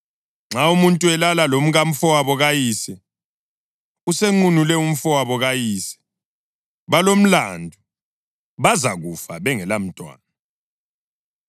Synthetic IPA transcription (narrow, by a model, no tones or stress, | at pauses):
ŋ͡ǁaumuntʼuɛlalalom̩ɣam̩fɔwaβɔɣajiːsɛ | useŋ͡ǃunulɛum̩fɔwaβɔɣajiːsɛ̥ | βalom̩la̰ndʱu | βazaɣufaβɛŋɛlam̩tʼwa̰ːna